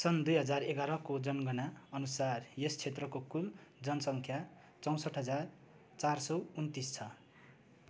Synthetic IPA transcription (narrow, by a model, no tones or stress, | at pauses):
sʌnd̪ujɦʌd͡zareɡaɾʌkod͡zʌnɡʌnaʌnusarjest͡sʰet̪rʌkokuld͡zʌnʌsʌŋkʰja | t͡sʌw̃sʌʈɦʌd͡zar | t͡sarsʌwunt̪ist͡sʰʌ